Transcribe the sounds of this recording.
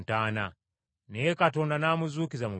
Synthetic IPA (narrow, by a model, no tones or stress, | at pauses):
tana̰ | nɛkatɔndanamuzukizamu